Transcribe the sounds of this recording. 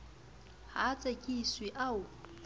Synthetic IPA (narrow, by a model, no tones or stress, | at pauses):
hat͡sʼakʼiswiʔau